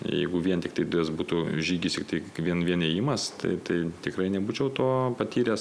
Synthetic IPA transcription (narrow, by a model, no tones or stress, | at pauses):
jɛ̰ɪɡʊʋʲiɛnt̪ʲɪkt̪ɐɪd̪ʊjɛsbuːt̪uʒʲiːɡʲɪsʲɪkt̪ɐɪʋʲiɛnʋʲiɛnejɪmɐst̪ɐ̰ɪt̪ɐɪt̪ʲɪkɾɐɪnʲɛbuːt͡ʃʲɛʊt̪oːpɐt̪ʲiːɾʲes